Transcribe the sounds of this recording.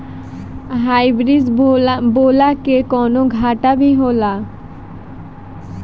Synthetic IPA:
ɦajbɾid͡ʑbolakekɔnoɡʱaʈabiɦola

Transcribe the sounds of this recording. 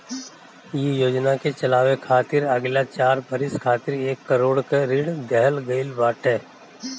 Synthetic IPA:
jejoːd͡ʒnaket͡ʃɐlaːʋekʰaːt̪ɪɾɐɡlat͡ʃaːɾbʱəɾɪskʰaːt̪ɪɾeːkːəɾoːɽkeɾɪɽd̪ɛɦəlɡɐɪlbaːʈɦɛː

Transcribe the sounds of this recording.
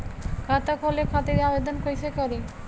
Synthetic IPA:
kʰat̪akʰolekʰat̪iɾabed̪onkojt͡ɕʰekɔɾi

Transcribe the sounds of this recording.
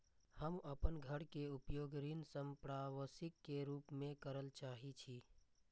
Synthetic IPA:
həməpənɡʱəɽkeupjoːɡɾinsəmpɾaʋəsɪkːeɾuːpmẽkəɾəlt͡ʃaːɦit͡ʃʰi

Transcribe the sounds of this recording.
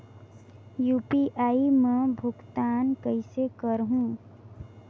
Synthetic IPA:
juːpiʔaːimɛ̃bʱʊkt̪aːnkəɪsekəɾɦũ

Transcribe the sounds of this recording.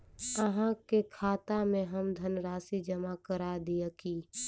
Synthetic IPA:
əɦãkekʰaːt̪amẽɦəmd̪ʱənɾaːsid͡ʒəmakəɾad̪ijakiː

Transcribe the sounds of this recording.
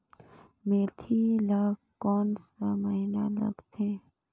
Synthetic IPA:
met̪ʰilakkːɔːnsəməɦinalə̰ɡt̪ʰẽ

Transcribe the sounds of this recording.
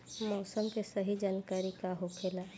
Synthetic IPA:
mɔːsəmkesəɦid͡ʒaːnkaːɾikaɦokʰeːla

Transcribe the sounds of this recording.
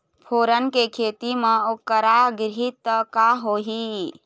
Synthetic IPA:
pʰoːɾənkekʰet̪imẽokəɾaɡɾɦit̪kaɦoɦi

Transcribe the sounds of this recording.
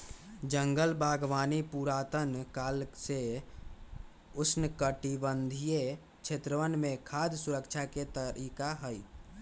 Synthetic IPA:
d͡ʒəŋɡəlbaɡʋaːnipuɾat̪ənkaːlse | ʊsʰnəkəʈibənd̪ʱije | t͡ʃʰet̪ɾəʋənmẽkʰad̪ʱsuɾəkt͡ʃʰaket̪əɾikaɦəj

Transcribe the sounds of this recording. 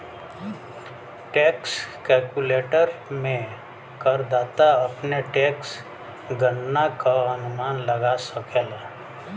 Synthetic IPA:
ʈeːkskɛlkuleːʈəɾmẽ | kəɾd̪aːt̪aəpneʈeːks | ɡənːakaənʊmaːnləɡasəkeːla

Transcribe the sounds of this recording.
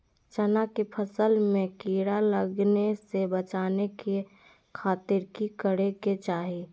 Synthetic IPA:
t͡ʃənakepʰəsəlmẽkiːɾaləɡnesebət͡ʃaːneke | kʰaːt̪ɪɾkikəɽeket͡ʃaːɦi

